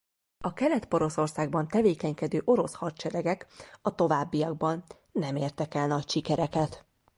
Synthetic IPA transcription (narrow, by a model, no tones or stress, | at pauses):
ɒkɛlɛt̪po̞ɾo̞so̞rsaːɡ̚bɒnt̪ɛveːkɛɲkɛd̪øːʔo̞ɾo̞shɒrt͡ʃɛɾɛɡɛkɒt̪o̞vaːbːijɒɡ̚bɒnː | ɛmeːrt̪ɛkɛlnɒcʃikɛɾɛkɛt̪